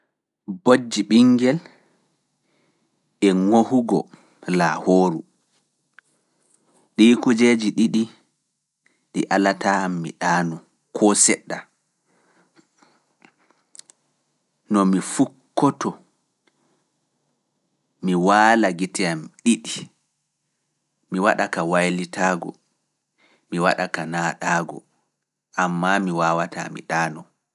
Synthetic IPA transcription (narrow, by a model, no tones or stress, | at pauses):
bod͡ʒːiɓiŋɡɛl | ɛŋohuɡɔ̰ | lahoːɾu | ɗikud͡ʒed͡ʒiɗiɗi | ɗiʔalatamːḭɗaːnu | kʰɔsɛɗːa | nɔmifukːɔtɔ | miwaːlaɡitɛjamɗiɗi | miwa̰ɗakawajlitaːɡɔ̰ | miwa̰ɗakanaːɗaːɡɔ̰ | ʔamːamiwaːwata̰mḭɗaːnɔ